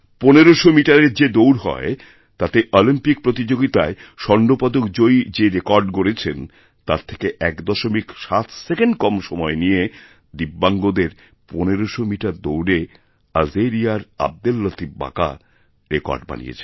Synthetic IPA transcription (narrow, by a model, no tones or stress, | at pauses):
poneɾoʃomiʈaɾeɾd͡ʑed̪owɾɦɔ̰e | t̪at̪eʔɔlimpik̚pɾot̪id͡ʑoɡit̪aeʃɔnɖopad̪okd͡ʑojd͡ʑeɾekɔɾɖkoɾet͡ɕʰen | t̪aɾt̪ʰe̥keʔɛkd̪ɔʃomikʃat̪ʰsekeɳɖkɔmʃɔmɔenije | d̪ibːaŋɡod̪eɾ | poneɾoʃomiʈaɾd̪owɾe | azeɾijaɾa̰b̚d̪elːot̪ib̚ba̰ka̰ | ɾekɔ̰ɾɖba̰nḭjḛt͡ɕʰe̥